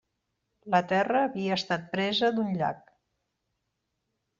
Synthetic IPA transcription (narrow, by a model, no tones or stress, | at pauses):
lət̪ɛrəːβiəːst̪at̪̚pɾɛzəd̪unʎa̰k